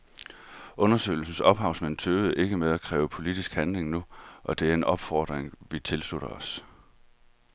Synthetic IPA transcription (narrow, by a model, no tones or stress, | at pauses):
ʔɔ̽nɐsø̰ɪl̩sn̩sɒ̽b̥ɦɑ̈ʊ̰sment͡sʰøːʊð̩ˠʔe̝ɡ̥əmeðˠækʰʁɛ̰ːʊəpʰo̝lid̥isɡ̥hænle̝ŋnuʔɒ̽d̥e̝æɐe̝nɒ̽b̥fɒ̰ːd̥ʁeŋʋit͡sʰe̝lsluɾ̥ɐɒ̽s